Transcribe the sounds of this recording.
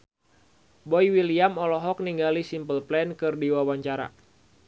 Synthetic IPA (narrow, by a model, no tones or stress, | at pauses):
bɔiwiliamɔlɔɦɔk̚niŋɡalisimpəlplɛnkɨrdiwawaɲt͡ʃaɾa̰